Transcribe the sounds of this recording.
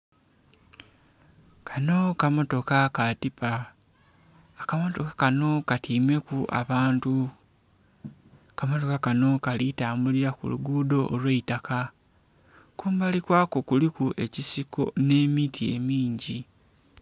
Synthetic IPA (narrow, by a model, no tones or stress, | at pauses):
kʰano̞kamo̞to̞kakatipa | kamo̞to̞kḁkano̞katiːme̞kuʔa̰βaːntu | kamo̞to̞kakano̞kalitaːmbuliɾakṵlṵɡuːdo̞ʔːlweitaka | kuːmbalikwaːko̞kulikuʔe̞cisiko̞̰ne̞ːmitʰie̞̰miːɲɟi